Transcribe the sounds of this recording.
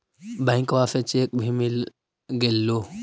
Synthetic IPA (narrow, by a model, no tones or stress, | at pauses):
bajŋkwafɛt͡ʃek̚bhimil | ɡɛlːo